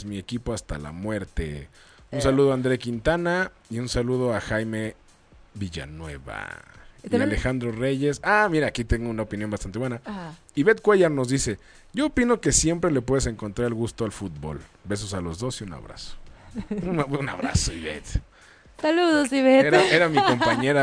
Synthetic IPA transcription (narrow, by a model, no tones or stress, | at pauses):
zmie̞kipo̞ast̪a̰la̰mwe̞ɾt̪ḛunsaluð̞oand̪ɾe̞kint̪ana | iunsaluð̞o̞axajme̞ | βiʝa̰nwe̞βa̰ialexand̪ɾo̞re̞ʝe̞samiɾaːkit̪e̞ŋɡounaopinjo̞mbast̪ant̪e̞βwe̞na | iβe̞t̪̚kweʝaɾno̞zðise̞ | ɟ͡ʝo̞ːpino̞ke̞sje̞mpɾe̞lep̬we̞ðes̬e̞ŋko̞nt̪ɾaɾelɣust̪o̞alfut̪̚bo̞̰lbe̞s̬osalo̞zðo̞siuna̰βɾa̰so̥ | unaβɾa̰soiβḛt̪ | saluðosiβeeɾaeɾamiko̞mpaɲe̞ɾa